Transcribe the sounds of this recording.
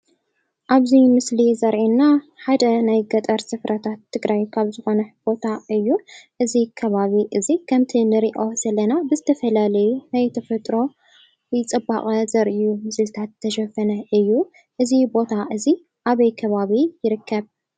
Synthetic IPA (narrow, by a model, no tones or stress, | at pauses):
ʔaβzimɨslizɐɾʕinːaħad̪ɐnajɡɐt̪ʼɐɾsɨfɾʔɐt̪ʰat̪ʰːɨɡɾajkʰaβzɨxo̞nɐb̥o̞t̪ʰaʔɨjːuʔɨzikʰɐβaβiʔɨzikʰɐmt̪ʰinɨɾiʔo̞sɐlɐnabɨzɨt̪ʰɐfɐlalɐjunajt̪ʰɐfɐt̪ʼɾo̞ | jɪt͡sʼɨbːa̰kʼɐzɐɾʔjumɨsɨlɨt̪ʰat̪ʰːɐʃɐfɐnɐʔɨjːu | ʔɨzibo̞t̪ʰaʔɨzi | ʔaβɐjkʰɐβaβijɪɾɨkʰːɐβ